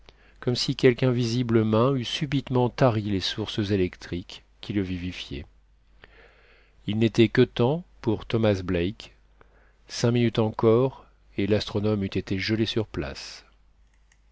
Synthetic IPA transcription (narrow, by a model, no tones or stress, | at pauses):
kɔmsikʲɛlkɛ̃vizibləmɛ̃ysybit̪mɑ̃t̪aʁilesuʁszelɛkt̪χikʲː | iləvivifjḛ | ilnet̪ɛkət̪ɑ̃puʁt̪ɔmasblɛjk | sɛ̃minyt̪ɑ̃kɔʁ | elast̪χɔnɔmyt̪et̪eʒəlesyʁpla̰s